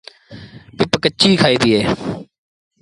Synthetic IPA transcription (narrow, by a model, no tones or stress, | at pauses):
pɪpkət͡ʃːiːkʰaːiːd̪iːeː